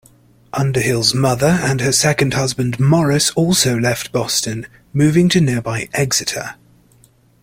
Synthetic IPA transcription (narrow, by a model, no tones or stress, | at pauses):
ʔʌ̃ndəhɪlˠzmʌðəɹə̃nəsɛkə̃nd̥hʌzbə̃ndmɒɹɪsɔˑlˠsəʊlɛftb̥ɒstə̃n | mʉːvɪ̃ŋtʰənɪəbaɪʔɛɡz̥ɪtʰə̰